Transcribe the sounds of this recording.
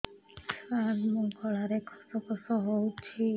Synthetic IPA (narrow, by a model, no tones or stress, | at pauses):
saɾmũkɔɭaɾekʰɔ̥sɔkʰɔsɔɦowt͡ʃʰi